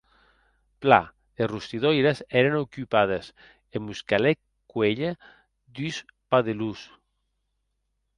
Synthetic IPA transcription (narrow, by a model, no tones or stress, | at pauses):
pla̰ | esrust̪iðojɾeseɾenokypað̞es | embuskale | kweʎe | d̪yspaðelus